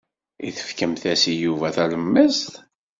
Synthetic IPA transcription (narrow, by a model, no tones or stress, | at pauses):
ḭθə̥fkəmθæsijuvæθæləmːəst̪